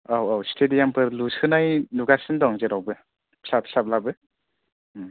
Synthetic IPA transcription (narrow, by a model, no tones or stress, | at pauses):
awawstʰedijampʰɯɾlushʰɯnajnuɡasɯndɔŋzɯɾawbɯ | pʰsapʰsap̚labɯ